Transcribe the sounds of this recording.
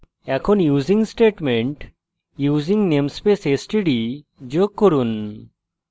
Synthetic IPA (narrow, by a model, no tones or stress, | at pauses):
ɛkʰɔnjuziŋsʈeʈmeɳʈ | juziŋnemspesesʈiɖi | d͡ʒokːoɾun